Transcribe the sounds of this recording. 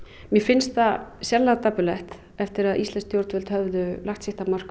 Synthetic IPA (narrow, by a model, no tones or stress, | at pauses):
mjɛfɪnst̪θasjɛɾlat̪apʏlɛht̪ | ɛft̪ɪɾaðʔist̪lɛnst̪jowɾt̪vɛlt̪hœvðʏlaxt̪sɪht̪amar̥k